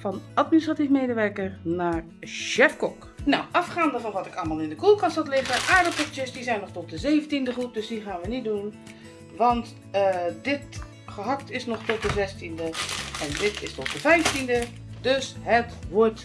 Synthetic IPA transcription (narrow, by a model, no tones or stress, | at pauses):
fɔnat̚ministratifmeːdəʋɛɹkərnaːɹ | ʃɛfkɔk | na̰wʔɑfχaːndəvɔnʋɔtɪkalˠmaːlˠɪndəkulˠkɑnsatlɪχəʔaːɹdəkɔktjəsdizɛjnːɔχtɔt̚dəzeːvəntindəχrup̚døsdiχaːnʋənitdun | ʋɑnt | dɪt | χəɦɑk̚tɪsnɔχtɔt̚dəzɛstindəɛndɪtɪstɔt̚dəfɛjftində | døsɦətʋɔɹt